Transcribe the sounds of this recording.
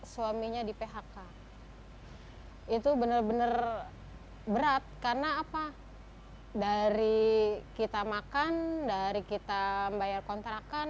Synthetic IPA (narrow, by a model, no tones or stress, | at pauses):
suwamiɲadipeɦaka | it̪ubənərbənər | bəɾat̪̚karnaːpa | daɾikit̪amakandaɾikit̪ambajarkɔnt̪ɾakan